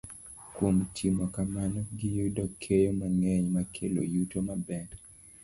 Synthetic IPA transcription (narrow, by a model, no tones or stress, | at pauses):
kwomtʰimɔkamanɔɡɪjudɔkʰːejomaŋɛɲmakʰelo̰jutomabɛn